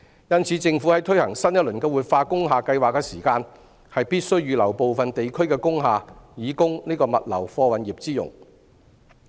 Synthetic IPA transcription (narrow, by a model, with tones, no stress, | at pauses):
jɐ˥nt͡sʰiː˨˧˥t͡sɪ˧ŋfu˨˥hɐ˨˥jt̪ʰɵ˥ɥhɐ˨˩ŋsɐ˥njɐ˥t̚lɵ˨˩nkɛː˧wuː˨t̚faː˧kʊ˥ŋɦaː˨˧kɐ˧jwaː˨kːɛ˧siː˨˩kaː˧n | hɐ˨jpiː˥t̚sɵ˥ɥjyː˨˧lɐ˨˩wpo˨˧wfɐ˨nt̪e˨jkʰɵ˥ɥkɛː˧kʊ˥ŋɦaː˨jiː˨˥kʊ˥ŋniː˥kɔː˧mɐ̰˨t̚lɐ̰˨˩wfɔː˧wɐ˨˥njiː˨p̚t͡siː˥jʊ̰˨˩ŋ